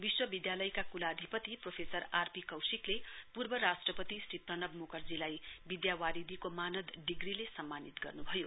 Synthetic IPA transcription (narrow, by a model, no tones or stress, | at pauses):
biswʌbid̪jalʌjkakulad̪ʱipʌt̪ipropʰesʌɾarpikʌwsiklepurbʌɾasʈrʌpʌt̪isriprʌnʌbmokʌrd͡zilajbid̪jawaɾid̪ʱikomanʌd̪ɖiɡrilesʌmːanit̪ɡʌ̰rnubʱʌjo